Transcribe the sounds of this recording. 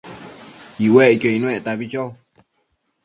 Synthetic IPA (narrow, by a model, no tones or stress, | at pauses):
iweʔkjoinwẽʔt̪aβit͡ʃo